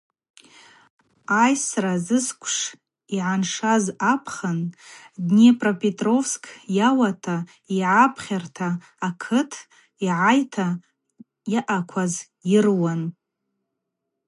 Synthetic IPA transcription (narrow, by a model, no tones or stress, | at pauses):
ajsrazɨskʷʰʼʂ | iʕanʂazapʰχandnepʼropʼetʼro̞fskʼʰjawatʰa | iʕapʰχʲartʰaː | kʰɨtʰ | iʕajtʰa | jaʔakʷʰaz | jɪrwan